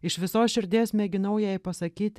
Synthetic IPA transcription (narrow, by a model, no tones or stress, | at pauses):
ɪʃʋʲɪsoːsʃʲɪɾʲd̪ʲeːsmʲɛɡʲɪnɐʊjɛɪpɐsɐkʲiːtt̪ʲ